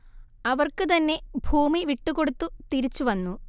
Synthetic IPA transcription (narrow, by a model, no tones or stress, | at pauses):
ɐʋɐrkɨt̪ɐnːe̞bʱuːmiʋiʈːuko̞ɽut̪ːut̪iɾit͡ɕːuʋɐnːu